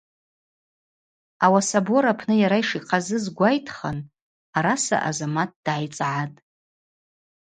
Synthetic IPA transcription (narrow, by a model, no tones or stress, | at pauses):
awasaboɾapʰnɨjaɾaiʂiqʰʼazɨzɡʷajtʰχan | aɾasa̰ʔa̰zamat̚ʰd̥ʕajt͡sʼʕatʼ